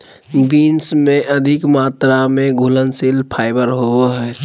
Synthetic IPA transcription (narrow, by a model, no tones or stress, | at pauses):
biːnsmẽʔəd̪ʱɪkmaːt̪ɾamẽɡʱulənsilpʰaːɪbəɾɦoɦɛ